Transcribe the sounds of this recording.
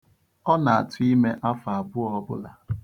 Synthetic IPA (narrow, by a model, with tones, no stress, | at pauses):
ɔ˦na˨a̰˨tʊ˦i˦me˦ʔa˦fa˨a˨bʊ˦ɔ˦bʊ̰˦la˨